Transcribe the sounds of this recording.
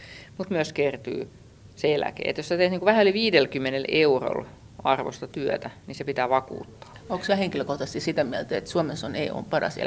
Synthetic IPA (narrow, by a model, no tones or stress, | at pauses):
mut̪myøskert̪y̰ː | selæ̰kḛːḛt̪josæt̪eht̪niŋkuʋæhæoliʋiːdelkymːeneleuro̰l | ɑrʋo̰st̪ɑt̪yøt̪æninsepit̪æːʋɑkṵːt̪ːɑ̥ːoːˑksæheŋkiløkoht̪ɑst̪isit̪æmiælt̪æet̪suomesonḛːo̰ːmpɑrɑ̰sḛl